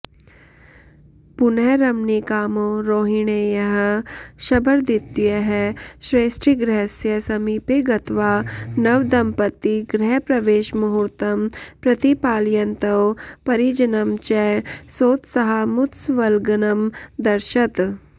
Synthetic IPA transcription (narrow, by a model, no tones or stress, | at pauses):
puneɾɐmnikaːmoːɾoːɦiɳ̃ejɐɦɐʃɐbəɾd̪it̪ːjeɦɛʃɾeːsʈɾiɡɾɛɦsjɐsɐmiːpeɡɐt̪ʋaːnɐʋd̪ɐmpɐt̪ːiɡɾɛɦpɾɐʋeːʃmɐɦuɾt̪ɐmpɾɐt̪ipaːljɐnt̪ɐwpɐɾid͡ʒɐnɐmt͡ʃɛsoːt̪sɐɦɐmʊt̪sʋɐlɡɐnɐmd̪ɐɾʃɐt̪